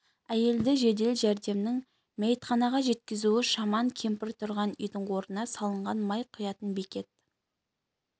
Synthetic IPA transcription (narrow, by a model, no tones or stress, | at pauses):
æje̞ld̪ɪʒe̞d̪e̞lʒæɾd̪e̞mnɪŋ | mejt̪χɑnɑʁɑʒe̞t̪̚kʲɪzuwɪʃɑmɑŋkʲʰe̞mpɪɾt̪ʰʊɾʁɑnʏjd̪əɴwo̞ɾənɑsɑlˠəɴʁɑnmɑjqʰʊjɑt̪ənbe̞kʲe̞t̪̚